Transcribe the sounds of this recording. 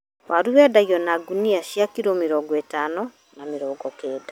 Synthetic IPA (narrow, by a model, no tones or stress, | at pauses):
wʔaɾuwɛːdaɣjɔnaɡuniaɕjakiɾomiɾɔːɡetaːnɔ | nameɾɔːɡɔkeːda